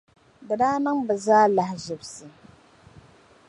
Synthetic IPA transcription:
dɨ˨daː˦nɨ˦ŋbɨ˨zaː˦la˨hʒɪ˨bsɨ˨

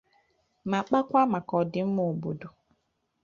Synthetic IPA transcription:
ma˨k͡pa˦kʷa˦ma˨kɔ˨dɪ˨m̩˦mo˨bo˨do˨

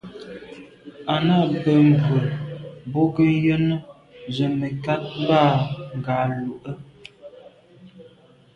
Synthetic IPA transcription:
a˨na˦˨bə˨m̩˨və˨bo˦ɡə˦jə˦nə˦ | zə˨mə˨ka˦t̚m˦ba˦˨ŋ˨ɡa˨lu˨ʔə˦

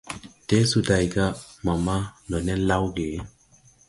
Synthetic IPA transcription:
te˦su˨da˧jɡa˦ma˨ma˦nɔ˨ne˦nla˦wɡe˨˦

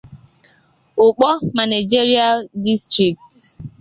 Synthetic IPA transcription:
ʊ˨k͡pɔ˦ma˨ni˨d͡ʒi˦ɾi˦a˦˨di˦stɾi˨k̚t

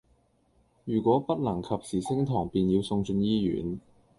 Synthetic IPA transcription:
jyː˨˩kʷɔː˨˥pɐ˥t̚lɐ˨˩ŋkʰɐ˨p̚siː˨˩sɪ˥ŋt̪ʰɔː˨˩ŋpiː˨njiː˧wsʊ˧ŋt͡sɵ˧njiː˥jy̰ː˨˥n

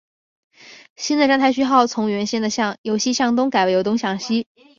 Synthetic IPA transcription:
ɕi˥nd̪ə˨ʈ͡ʂa˥nt̪ʰa˧˥ɪɕ̬y˥xɑ˥˩ʊt͡sʰʊ˧˥ŋɥɛ˧˥nɕjɛ˥nd̪ə˨ɕjɑ˥˩ŋjo˧˥ʊɕi˥ɕjɑ˥˩ŋt̪ʊ˥ŋka˨˩ɪwɪjo˧˥ʊt̪ʊ˥ŋɕjɑ˥˩ŋɕi˥

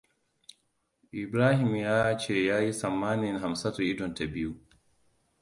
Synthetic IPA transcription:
ʔɪ˨bɾaː˦hɪ˨mjaː˦t͡ʃeː˦˨jaː˦ji˦sɐ˨mːaː˦nɪ˨ŋɦa˨msa˦ta˨ʔɪ˦dɔ˨nta˨bɪ˦ju˦

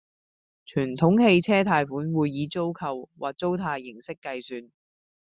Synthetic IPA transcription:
t͡ʃʰyː˨˩nt̪ʰʊ˨˥ŋhe˧jt͡sʰɛː˥t̪ʰaː˧jfuː˨˥nwuː˨˧jːiː˨˧t͡so˥wkʰɐ˨wwʔa̰ː˨˩k̚t͡so˥wt̪ʰaː˧jːɪ˨˩ŋsɪ˥kːɐ˧jsyː˨˧n

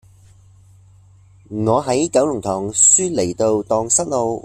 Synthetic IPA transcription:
ŋɔː˨˧ɦɐ˨˥jkɐ˨˥wlʊ˨˩ŋt̪ʰɔː˨˩ŋsyː˥le˨˩jt̪o˧wt̪ɔː˧ŋsɐ˥k̚lo˧w

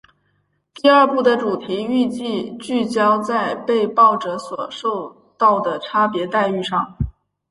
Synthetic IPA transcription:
t̪i˥˧ɐ˞˥˧pu˥˩d̪ə˩ʈ͡ʂu˨˩t̪ʰi˧˥y˥˧t͡ɕi˥˧t͡ɕy˥˩t͡ɕjɑ˥ʊt͡sa˥˧ɪpe˥˧ɪpɑ˥˩ʊʈ͡ʂɤ˧˥swɔ˨˩ʂo˥˧ʊ | t̪ɑ˥˩ʊd̪ə˩ʈ͡ʂʰa˥pjɛ˧˥t̪a˥˧ɪy˥˧ʂɑ˥˩ŋ

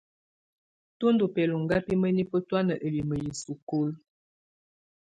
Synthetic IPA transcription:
tu˦ndu˨pɛ˨lu˨ŋ˨ɡa˦pi˦mə˦ni˦pə˦twa˦nə˨ʔə˨li˨mə˨ji˨su˨ko˦l

